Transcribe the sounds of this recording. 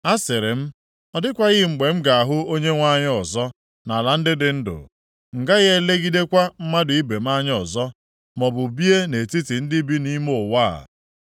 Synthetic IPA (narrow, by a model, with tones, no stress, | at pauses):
a˦sɪ˨ɾɪ˨m̩˦ | ɔ˦dɪ˦kʷa˦ɣɪ˦˨ŋ͡m̩˨ɡ͡be˨m̩˦ɡa˨a˨ɦʊ˦o˦ɲe˦ŋʷa˦ɲ˦ɔ˨zɔ˦ | na˨la˨n̩˦dɪ˦dɪ˨n̩˦dʊ̰˨ | ŋ̩˨ɡa˦ɣe˦le˦ɡi˦de˦kʷa˦m̩˦ma˦dʊ˨i˦be˨m̩˦a˦ɲ˦ɔ˨zɔ˦ | mɔ˨bʊ˨bi˦e˦ne˨ti˦ti˨n̩˦dɪ˦bi˦ni˦mo˦˨wa˦a̰˨